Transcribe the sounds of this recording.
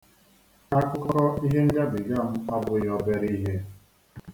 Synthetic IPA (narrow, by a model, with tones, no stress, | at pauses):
ka˦˨kʷʊ˦kɔ˦ɾɔ˦i˦ɦe˦ŋ̩˦ɡa˦bɪ˨ɡa˦˨m̩˦a˦bʊ˦jɔ˦be˦ɾi˦ɦe˦